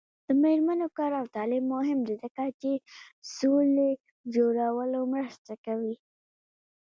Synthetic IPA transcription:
d̪̥əmeɾmanokɑɾawt̪ɑlɪbːʊɦɪmd̪ed̪akat͡ʃesole | d͡ʒoɾawəlomɾəst̪akawi

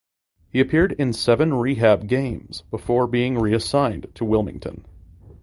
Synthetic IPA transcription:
hiɨpʰɪɹɾɪ̃nsɛvɨ̃nɹiɦæb̚ɡẽɪ̃mz̥bəfɔɹbiɪ̃ŋɹiɨsãɪ̃ntʰəwɪlˠmɪ̰̃ŋtʰɨ̰̃n

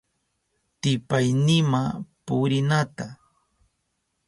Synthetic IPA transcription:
t̪ɪpajnɪmapʊɾɪnat̪a

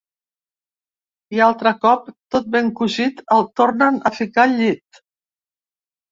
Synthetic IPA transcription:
ialˠt̪ɾəkɔp̚t̪ot̪̚beŋkuʒit̪əlˠt̪oɾnənəfikaʎit̪

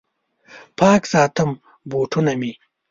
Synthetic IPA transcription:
pʰaːksaːt̪ɐm | boːʈʰunɐmi

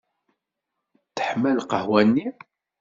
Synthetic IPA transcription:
θə̥ħmælqəhwænːi

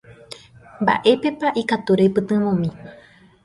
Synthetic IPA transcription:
mba̰ʔe̞pe̞paʔikat̪uɾe̞pɨt̪ɨ̃ʋõmĩ

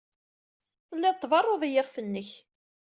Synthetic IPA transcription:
θəlːɪðt̪ˤːvɑrˤːoðˤijɪʁfənːəç

